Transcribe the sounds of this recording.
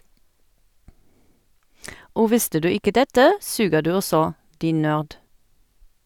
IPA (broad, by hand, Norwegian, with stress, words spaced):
ˈoː ˈʋɪstə ˈdʉː ˈɪkə ˈdɛtə ˈsʉːɡəʁ ˈdʉː ˈɔsɔ ˈdiːn ˈnøːʁd